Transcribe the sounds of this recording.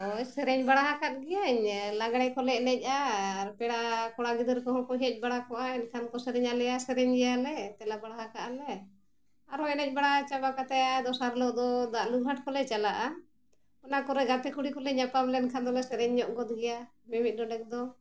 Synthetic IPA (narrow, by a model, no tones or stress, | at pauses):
ɔjsɛɾɛɲbaɽaɦakat̪̚ɡɛjaɲlaɡɽɛjkɔlɛc̚nɛc̚ˀaɾpɛɽakɔɽaɡid̪əɾkɔɦɔɽkɔɦɛc̚ˀbaɽakɔʔaɛnkʰankɔsɛɾɛɲalɛjasɛɾɛɲɡɛjalɛt̪ɛlabaɽaɦakaʔalɛ | aɾɔɛnɛc̚baɽat͡ʃabakat̪ɛjad̪ɔsaɾlɔʔd̪ɔd̪aʔluɡɦaʈkɔlɛt͡ʃalaʔa | ɔnakɔɾɛɡap̪ɛkuɽikɔlɛɲapamlɛnkʰand̪ɔlɛsɛɾɛɲːɔʔɡɔd̪̚ɡɛja | mɛmit̪̚d̪ɔnɛk̚d̪ɔ